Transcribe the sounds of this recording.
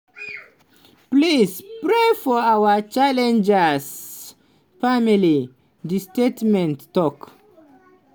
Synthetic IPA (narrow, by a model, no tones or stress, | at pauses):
plispɹefɔawət͡ʃalɛ̃nd͡ʒəs | famili | distetmɛ̃ntːɔk